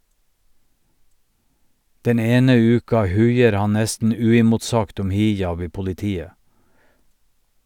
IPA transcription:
ˈdɛn ˈeːnə ˈʉːkɑ ˈhʉɪəɾ ˈhɑn ˈnɛstn̩ ˈʉːɪmʊtˌsɑɡt ˈɔm ˈhɪˌjɑb ˈiː pʊlɪˈtiːə

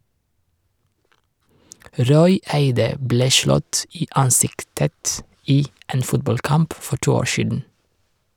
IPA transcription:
ˈɾɔʏ ˈæɪdə ˈbleː ˈʃlɔt ˈiː ˈɑnˌsɪktət ˈiː ˈeːn ˈfʊtbɑlˌkɑmp ˈfɔ ˈʈuː ˈoːɹ ˈʃiːdn̩

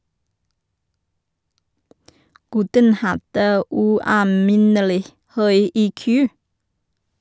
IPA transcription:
ˈɡʉtən ˈhɑdə ˌʉːɑːˈmɪnəlɪ ˈhœʏ ˈiːˌkʉː

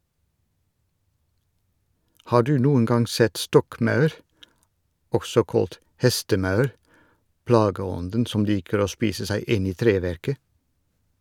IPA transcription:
ˈhɑː ˈɖʉː ˈnuːən ˈɡɑŋ ˈsɛt ˈstɔkˌmɑʉɾ ˈɔɡsɔ ˈkoːlt ˈhɛstəˌmɑʉɾ ˈplɑːɡəˌɔndən ˈsɔm ˈliːkəɹ ˈoː ˈspiːsə ˈsæɪ ˈɪn ˈiː ˈtɾeːˌʋæɾkə

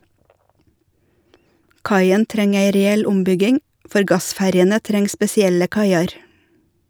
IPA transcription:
ˈkɑɪən ˈtɾɛŋ ˈæɪ ɾɛˈɛl ˈʊmˌbʏɡɪŋ ˈfɔɾ ˈɡɑˌsfæɾjənə ˈtɾɛŋ spɛsɪˈɛlə ˈkɑɪɑɾ

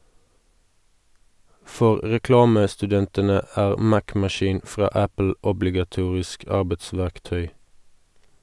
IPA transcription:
ˈfɔʁ ʁɛˈklɑːməstʉˌdɛntənə ˈæːʁ ˈmækmɑˌʃiːn ˈfʁɑː ˈæpl̩ ʊblɪɡɑˈtuːʁɪsk ˈɑʁbətˌsʋæʁkˌtœʏ

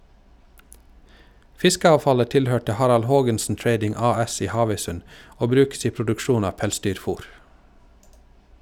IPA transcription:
ˈfɪskəɑːʋˌfɑlə ˈtɪlˌhøːʈə ˈhɑɾɑl ˈhoːɡənsn̩ ˈtɾeɪdɪŋ ˈɑːˌɛs ˈiː ˈhɑːʋœʏˌsʉn ˈoː ˈbɾʉːks ˈiː pɾʊdʉkˈʃuːn ˈɑː ˈpɛlˌsdyːɾˌfuːɾ

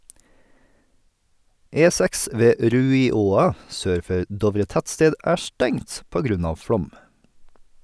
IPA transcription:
ˈeːˌsæks ˈʋeː ˈɾʉːɪˌoːɑ ˈsøːɾ ˈfœɾ ˈdɔʋɾə ˈtætˌsteːd ˈæː ˈʃtɛŋt ˈpoː ˈɡɾʉn ˈɑːʋ ˈfɽɔm

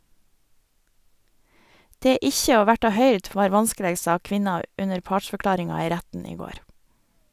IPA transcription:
ˈdeː ˈɪçə ˈoː ˈʋæʈɑ ˈhœʏɾd ˈʋɑːɾ ˈʋɑnskəˌleːɡ ˈsɑː ˈkʋɪnɑ ˈʉnəɾ ˈpɑːʈʃfœˌklɑːɾɪŋɑ ˈiː ˈɾætn̩ ˈiː ˈɡoːɾ

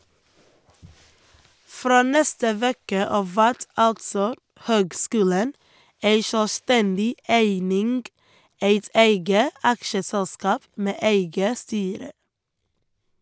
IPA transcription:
ˈfɾoː ˈnɛstə ˈʋeːkə ˈɑːʋ ˈʋæɾt ˈɑltsɔ ˈhøːɡˌskʉːlən ˈeɪ ʃœˈstɛndɪ ˈæɪnɪŋɡ ˈæɪt ˈæɪɡə ˈɑkʃəsɛlˌskɑːp ˈmeː ˈeɪɡə ˈstyːɾə

